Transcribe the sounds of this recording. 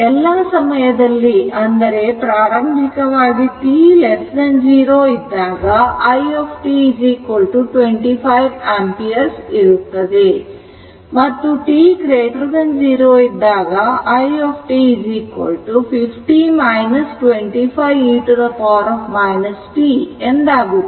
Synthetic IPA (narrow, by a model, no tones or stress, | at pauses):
ɛlːaːsɐmɐjɐd̪ɐlːiʔɐnd̪ɐɾe̞ːpɾaːɾɐmbʱikɐʋaːɡiʈiːlesd̪ɐnd͡ʒiːɾoːid̪ːaːɡaʔɐjepʰʈiːid͡ʒiːkɐlʈuʈʋeɳʈipʰɐjʋaːmpieɾsiɾut̪ɐd̪i | mɐt̪ːuʈiːkɾeːʈɐɾd̪ɐnd͡ʒiːɾoːid̪ːaːɡɐʔɐjoːpʰʈiːid͡ʒiːkʋɐ̰lʈupʰipʰʈiːmɐjnɐsʈʋeɳʈiːpʰɐjʋiʈud̪ɐpaːɾɔːpʰmɐjnɐsʈiːend̪aːɡu